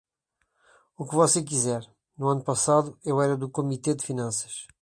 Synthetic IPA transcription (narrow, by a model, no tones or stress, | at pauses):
ukvɔsek̬izɛɾ | nuɐnupɐsaðuewɛɾɐd̪ukumit̪ed̪ɨfinɐ̃sɐ̥ʃ